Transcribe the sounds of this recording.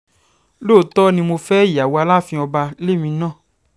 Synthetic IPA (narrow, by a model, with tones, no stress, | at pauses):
lo˦˨tɔ˦nĩ˧mo˧fɛː˦˨a˨wo˧a˧la˦˨fĩ˧ɔ˧ba˧le˦˨mĩ˧nãː˦˨